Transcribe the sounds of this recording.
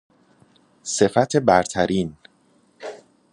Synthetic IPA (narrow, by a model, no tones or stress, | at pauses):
se̞fæt̪ʰebæɾt̪ʰæɾiːn